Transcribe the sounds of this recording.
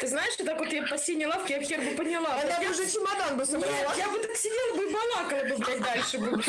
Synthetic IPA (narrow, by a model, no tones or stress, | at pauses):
t̪ɨznaɪʂot̪akvot̪japɐsʲenʲɪjlˠafkʲɪjafxʲerbɨpənʲɪlˠaɐajaʊʐɛt͡ʃɪmɐd̪anbɨsənʲbɾɐlˠajabɨt̪aksʲɪdʲelˠəbɨɪbɐlˠakəlˠəbɨbɾʲat̚ʲd̪alʲʂɨb̪ɾu